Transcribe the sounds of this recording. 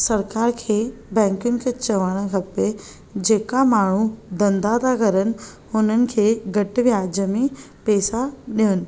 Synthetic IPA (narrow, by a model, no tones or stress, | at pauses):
sɐɾkaːɾkʰeːbɛ̃ːŋkjʊnɪ̆kʰet͡ɕɐʋaɽ̃ə̃kʰɐpe | d͡ʑeːkamaːɳ̤ud̪ɐ̃nd̪ad̪akəɾənɪ̆ | ʊn̤ənɪ̆kʰeːɡʱɐʈʋjaːd͡ʑəmẽ | pɛːsaɗiənɪ̆